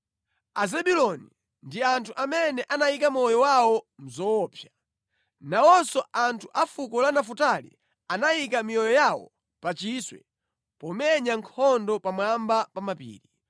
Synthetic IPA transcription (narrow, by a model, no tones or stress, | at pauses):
azɛbilɔni | ndiantʰuʔamɛnɛʔanajikamɔjɔwawɔm̩zɔːpʰja | nawɔsɔʔantʰuʔafukɔlanafutalḭ | anajikamijɔjɔjawɔ̰ | pat͡ʃiswɛ̰ | pɔmɛɲaŋkʰɔndɔpamwambapamapḭːɾi